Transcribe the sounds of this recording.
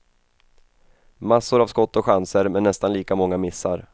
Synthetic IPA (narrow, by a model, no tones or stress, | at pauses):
masːʊɾavskɔt̪ːɔɧansəɾmɛnːɛst̪anliːkamɔŋːamɪsːaɾ